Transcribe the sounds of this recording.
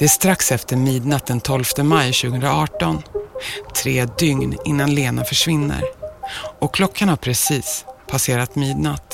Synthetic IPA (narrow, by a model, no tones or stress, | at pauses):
d̪̥ɛæʂt̪ɾaksɛft̪əɾmiːd̪nat̪̚d̪ɛnt̪ʰɔlft̪əmajɕʉːɡəɵnd̪ɾaɑːʈɔnt̪ʰɾeːd̪ʏŋnɪ̰nːanleːnafœʂvɪnːə̰ɾ | ɔkʰlɔkːanhaɾpʰɾɛsiːspʰaseːɾat̪miːd̪nat̪